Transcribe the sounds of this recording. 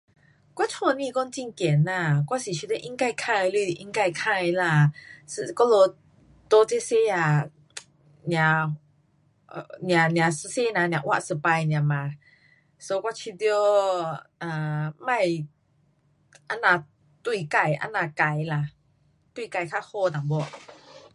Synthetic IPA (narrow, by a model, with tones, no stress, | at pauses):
kwa˧˦t͡ʃʰɔ˧˨nĩ˧kɔ˧nt͡ɕi˧ŋkɛ˨˦na˧˩kwa˧˥si˨t͡ɕʰi˧t̪ːʔi˧˦ŋka˧˩jkʰã˧jlu˧˨˧ʔi˧˦ŋka˧˩jkʰa˧jla˧˩sɨ˧kɔ˦˧˦lo˧ | t̪o˧˦t͡se˧se˧˥a˧˩ | njã˨˧ | njã˨nj̃ã˨sɨ˧˥se˦˥nã˧nj̃ã˨ʔwa̰˧˨sə˧˩pa˧jnj̃ã˨mã˨˧ | so˧˦kwa˧˥t͡ɕʰi˧t̪j | ʔa˨˩mã˧˨j | ʔa˧˥nã˧ | t̪wi˧ka˧˩jʔa̰˧˥na˧˩ka˧˩jla˧˩ | t̪wi˧˨ka˧˩jkʰa˦˧˥ho˥˧t̪a˨˩bɔ˧˩